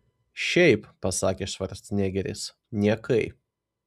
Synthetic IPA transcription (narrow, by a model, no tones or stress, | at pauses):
ʃʲɛɪppːɐsɑːkʲeːʃʋɐɾʲst̪nʲæːɡʲɛɾʲɪ̰s | nʲiɛkɐɪp